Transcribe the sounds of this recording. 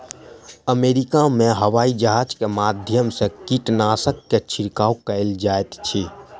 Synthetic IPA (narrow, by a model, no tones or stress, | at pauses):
əmeːɾikamẽɦəwaːid͡ʒəɦaːd͡ʒkemaːd̪ʱjəmsekiʈnaːsəkːet͡ʃʰɪɾkaːwkəɪld͡ʒaːet̪t͡ʃʰi